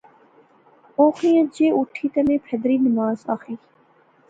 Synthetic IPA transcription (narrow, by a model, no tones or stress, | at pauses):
oːxĩːə̃d͡ʒeːʔʊʈʰiːt̪əmẽːpʰəd̪ɾiːnɪmaːzaːxiː